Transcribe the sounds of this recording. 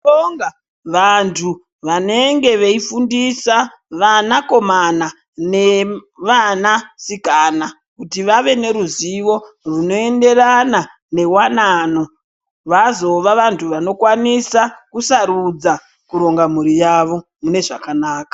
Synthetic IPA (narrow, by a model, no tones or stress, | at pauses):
oŋɡa | ʋantʰu | ʋane̞ŋɡe̞ʋeifundisa | ʋanako̞mana | ne̞ʋanasikana | kutiʋaʋe̞ne̞ɾuziʋo̞ | runo̞e̞nde̞rana | ne̞wanaːno̞ | ʋazo̞ʋaʋantʰuʋano̞kwanisakusaɾud͡za | kuɾo̞ŋɡamuɾijaʋo̞ | mune̞ʐakanaːkḁ